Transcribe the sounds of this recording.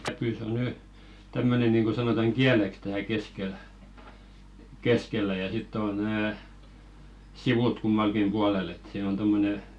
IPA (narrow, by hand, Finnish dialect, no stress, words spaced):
kæpyˑ se o ny tæmːøne niˑŋɡ̊o sɑnotɑŋ ɡ̊iæleks tæːl keskel keskelːæ jɑ sitː oˑn̆ næː siʋut kumːɑlkim b̥uɑlel et siːn on tomːone